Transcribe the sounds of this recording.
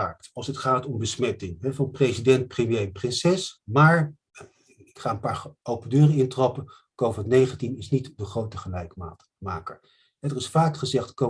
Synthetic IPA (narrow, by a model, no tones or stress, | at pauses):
aːk̚tɑlˠsɦətχaːtɔmbəsmɛtɪŋɦɛvɑnpresidɛnt̚prəmjejprɪnsɛsmaːɹ | ɪkχaːənpaːɹowpəndøːrəɪntrɑpə | kowvɪtnejχəntinɪsnitdəχrowtəχəlɛjkma̰ːt | maːkə̰ɹ | ɦɛdərɪsfaːkχəzɛχtko